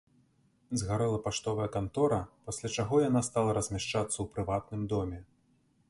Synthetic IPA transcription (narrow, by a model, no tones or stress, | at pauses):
zɣaɾɛlˠɐpaʂt̪ɔvɐjɛkant̪ɔɾɐpasʲlʲat͡ʂaɣɔjan̪ast̪alˠɐɾɐzʲmʲaʂt͡ʂat̪sːɐwpɾɨvat̪nɨmd̪ɔmʲɛ